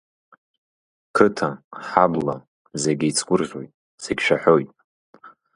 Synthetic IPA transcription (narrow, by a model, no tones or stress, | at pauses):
kʰɨtʰaħabla | zeɡʲɪit͡sʰʼkʷʊrʒʲo̰jtʼ | seɡʲʃʷᶣaħojtʼ